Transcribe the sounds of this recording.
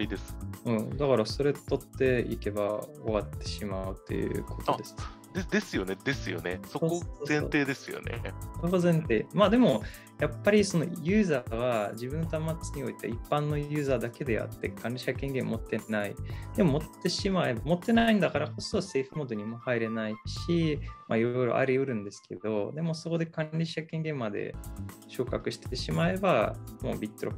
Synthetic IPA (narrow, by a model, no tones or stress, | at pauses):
id̪esɨ̥ɯ̟̃ːd̪akaɾaso̞ɾe̞t̪o̞t̪ːe̞ḭke̞ba̰o̞βat̪ːe̞ɕimaɯ̟t̪ʰːe̞̰jɯ̰ɯ̟̰kʰo̞t̪od̪e̞sɨ̥k | d̪ed̪e̞sɨjo̞ned̪e̞sɨjo̞̰nesoooːzẽnt̪e̞ːd̪e̞sɨjo̰nḛsokozẽ̞nt̪e̞ːmaːd̪e̞mo̞ | japːaɾʲiso̞no̞̰jɯːzaɡad͡ʑibɯ̟̃nːot̪amːat͡sɨɲ̟io̞it̪eipːãnːo̞jɯ̟ːzaːd̪ake̞d̪e̞ja̰t̪ːe̞̰kʰãnɾʲiɕakẽ̞ŋɡẽ̞m̰mo̞t̪ːe̞naid̪̥e̞mo̞mo̞t̪ːe̞ɕimae̞bamo̞t̪ːe̞naĩnd̪akaɾako̞sose̞ːɸɯ̟moːd̪o̞ɲ̟imo̞haiɾe̞naiɕimaiɾo̞jɾo̰ʔa̰ɾʲiɯɾɯ̟̃nd̪e̞sɨ̥ke̞d̪̥o̞d̪e̞mo̞so̞ko̞d̪e̞kãɾʲiɕakeŋɡẽ̞mːad̪e̞̰ɕo̞ːkakɯ̟ɕi̥t̪e̞ɕimae̞bamo̞̰ːbʲit̪ːoɾo̰